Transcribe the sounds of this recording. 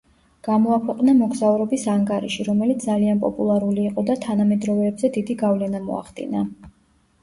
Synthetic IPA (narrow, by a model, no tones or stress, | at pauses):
ɡ̥amɔakʰwɛqʼnamɔɡzauɾɔbisaŋɡaɾḭʃiɾɔmɛlit̪ʰd̪alianpʼɔpʼulˠaɾuliːqʼɔd̪at̪ʰanamɛd̪ɾɔvɛbzɛd̪id̪iɡavlɛnamɔ̰a̰χd̪ḭna